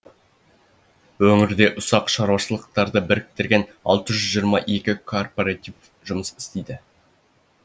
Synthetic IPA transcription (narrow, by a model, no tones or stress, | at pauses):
wɵŋɪɾd̪e̞ʔʊsɑqʃɑɾwɑʃəlˠəq̚t̪ɑɾd̪əbɪɾɪk̚t̪ɪɾɡʲe̞n | ɑ̰lˠt̪əʒʏzʒijəɾmɑʔe̞kʲɪkʰo̞rpoɾɑt̪iv | ʒʊməsɪ̥st̪ejd̪ɪ